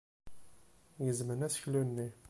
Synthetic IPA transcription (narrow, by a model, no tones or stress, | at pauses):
jəzmənæsçlunːi